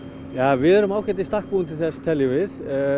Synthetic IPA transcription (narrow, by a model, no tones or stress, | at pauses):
jaːvɪðɛɾʏmaːwkʰɛt̪ɪst̪ahkpuːnt̪ɪθɛst̪ʰɛljʏvɪθ